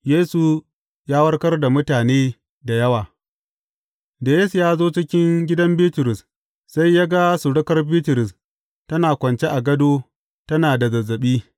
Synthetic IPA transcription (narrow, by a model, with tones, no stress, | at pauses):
jeː˦su˨ | jaː˦wɐ˦rkɐ˦rda˨mʊ˦taː˨neː˦ | da˨jɐ˦waː˨ | da˨je˦su˨jaː˦zoː˦t͡ʃɪ˦kʲɪ˦ŋɡʲɪ˦dɐ˦mbiː˦tʊ˨ɾʊ˨s | sa˦jːaː˦ɡa˦su˨ɽʊ˦kɐ˦rbiː˦tɪ˨ɾʊ˨s | tɐ˦naː˨kʷɐ˨nt͡ʃe˦ʔa˨ɡɐ˦doː˦ | tɐ˦naː˨da˨zɐ˨zːɐ˨ɓiː˦